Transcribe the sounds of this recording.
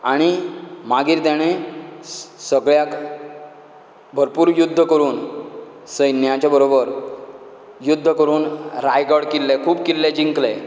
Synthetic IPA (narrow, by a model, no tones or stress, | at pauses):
aɽ̃imaɡiːɾt̪jaɽ̃e | səɡɭjak | bʱəɾpuːɾjud̪ʱːəkəɾuːn | səjnjat͡ɕabəɾobəɾ | jud̪ʱːəkəɾuːnɾajɡəɽkilːekʰuːb̚kilːed͡ʑiŋkle